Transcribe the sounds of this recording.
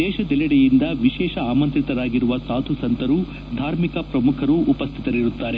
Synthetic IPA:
ɛːʃɐd̪ɛlɐɽejind̪ɐʋiʃɛːʃɐaːmɐnt̪ɾit̪ɐɾaːɡiɾuʋɐsaːt̪ʰusɐnt̪ɐɾu | d̪ʱaːɾmikɐpɾɐmukʰɐɾuʔːpɐst̪ʰit̪ɐɾiɾut̪ːaːɾe̞

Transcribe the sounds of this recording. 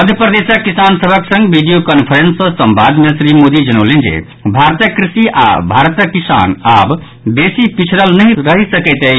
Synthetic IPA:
məd̪ʱjəpɾəd̪esəkːisansəbʱəksə̃ŋɡbʱiɖijokənpʰəɾensə̃səmbad̪mesɾimod̪id͡ʒənəwlend͡ʒḛ | bʱaɾt̪əkɾisiʔa̰bʱaɾt̪əkisa̰nab | besipit͡ʃʰɾəlnəɦɾəɦisəkɛt̪əi

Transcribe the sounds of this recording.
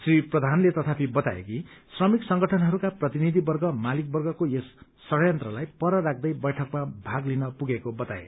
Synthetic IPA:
sriprʌd̪ʱanlet̪ʌt̪ʰapʰibʌt̪aḛkisrʌmiksʌŋɡʌʈʰʌnɦʌɾukaprʌt̪inid̪ʱibʌrɡʌmalik̚bʌrɡʌkojesː | ʌɽjʌnt̪rʌlajpʌɾʌɾak̚ʰd̪ʌjbʌjʈʰʌkmabʱaɡlinʌpuɡekobʌt̪a̰ḛ

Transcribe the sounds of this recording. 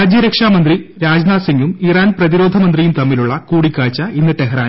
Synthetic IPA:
aːd͡ʑjɐɾɐkʂaːmɐnd̪riɾaːd͡ʑnaːsiŋɡumiraːnprɐðiɾo̞ːd̪ʱɐmɐnd̪rijumt̪ɐmːiluɭːɐkuːɽikʲːaːɻt͡ɕːɐinːɨʈːeɦraː

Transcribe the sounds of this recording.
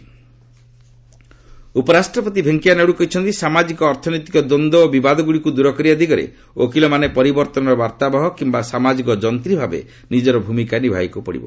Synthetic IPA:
upɔɾasʈɾɔpɔt̪̬ibʱeŋkianeɽukɔɦit͡ʃʰɔnt̪isamad͡ʒikɔːɾt̪ʰɔnɔjt̪ikɔd̪ɔnd̪ɔːbibad̪ɔɡuɽikud̪uɾɔkɔɾiad̪iɡɔɾḛ | okilɔmanepɔɾibɔɾt̪ɔnɔɾɔbaɾt̪abɔɦɔkimbasamad͡ʒikɔd͡ʒɔnt̪ɾibʱabḛ | nid͡ʒɔɾɔbʱumikanibʱajkupɔɽḭbɔ̰

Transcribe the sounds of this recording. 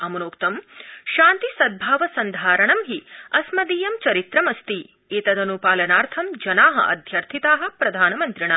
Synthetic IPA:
ɐmɐnoːkt̪ɐmʃaːnt̪isɐd̪̚bʱaːʋɐsɐnd̪ʱaːɾɐɳɐmɦiɐsmɐd̪iːjɐmt͡ʃɐɾit̪ɾɐmɐst̪i | eːt̪ɐd̪ɐnupaːlɐnaːɾt̪ʰɐmd͡ʒɐnaːɦɐ̰ʔɐ̰d̪ʱjɐɾt̪ʰit̪aːɦɐ̆pɾɐd̪ʱaːnɐmɐnt̪ɾiɳɐ

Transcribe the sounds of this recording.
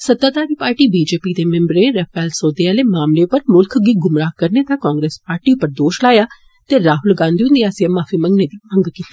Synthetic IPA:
səd̪aːd̪aːɾiːpaːɾʈiːbiːd͡ʒeːpiːd̪eːmɛ̃mbɾeːɾɛpʰɛːlsoːd̪iaːleːmaːmleːpəɾmʊlkʰɡiːɡʊmɾaːkəɾneːt̪ãːkɔːŋɡɾeːspaːɾʈiːʊpːəɾd̪oːʃlaːjaː | t̪eɾaːɦʊlɡãːnd̪iʊ̃nd̪iːaːsiẽmaːfʰiːməŋɡneːd̪iːə̃ŋɡkiːt̪ːi

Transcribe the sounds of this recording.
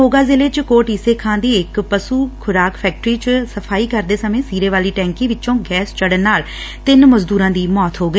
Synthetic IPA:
oːɡaːzɪleːt͡ʃkoːʈiseːkʰãːnd̪iːɪkpəsuːkʰʊɾaːkpʰɛːk̚ʈɾiːt͡ʃsəpʰaːiːkəɾd̪eːsəmẽːsiːɾeːʋaːliːʈɛ̃ːŋkiːʋɪt͡ʃõːɡɛːst͡ʃəɽənːaːl | t̪ɪnməzd̪uːɾãːd̪iːmɔːt̪ɦoːɡəiː

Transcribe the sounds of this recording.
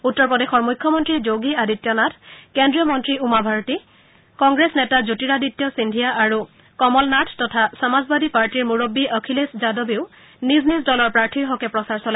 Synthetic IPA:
utːɔɹpɔdexɔɹmujkʰːɔmɔntɹizoɡiaditːjɔnatʰkendɹijɔmɔntɹiumabʱaɹɔti | kɔŋɡɹesnɛtazutiɹaditːjɔsindʱijaʔaɹu | kɔmɔlnatʰtɔtʰasamazbadipaɹtiɹmuɹobːiʔɔkʰileszadɔbiʊ | niznizdɔlɔɹpɹaɹtʰiɹɦɔkɛpɹɔsaɹsɔla

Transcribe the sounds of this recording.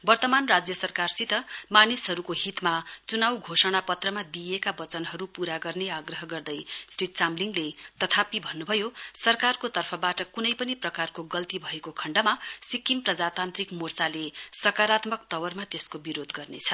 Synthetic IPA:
bʌrt̪ʌmanrad͡zjʌsʌrkarsit̪ʌmanisɦʌɾukoɦit̪mat͡sunawɡʱosʌɽ̃apʌt̪rʌmad̪ijekabʌt͡sʌnɦʌɾupuɾaɡʌrneaɡrʌɦʌɡʌrd̪ʌjsʈrit̪̚t͡samliŋɡlet̪ʌt̪ʰapibʱʌnːubʱʌjosʌrkarkot̪ʌrpʰʌbaʈʌkunʌjpʌniprʌkarkoɡʌlt̪ibʱʌekokʰʌɳɖʌmasikimprʌd͡zat̪ant̪rikmurt͡salesʌkaɾat̪mʌkt̪ʌwʌrmat̪eskobiɾod̪ɡʌrnet͡sʰʌ

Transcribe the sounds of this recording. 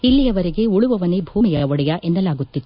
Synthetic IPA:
ilːijɐʋɐɾiɡe̞uɭuʋɐʋɐnebʱuːmijɐʋɔɽɛjɐʔʔenːɐlaːɡut̪ːit̪ːu

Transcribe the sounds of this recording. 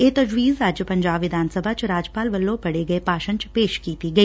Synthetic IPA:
eːt̪ɐd͡ʒwiːzɾaːd͡ʒjəpɐ̃ɲd͡ʒaːbʋɪd̪ʱaːnsəbʱat͡ʃɾaːd͡ʒpaːlʋɐlːõpɐɽeɡɐepaːʃə̃ɲt͡ʃpeːʃkiːt̪iɡɐiː

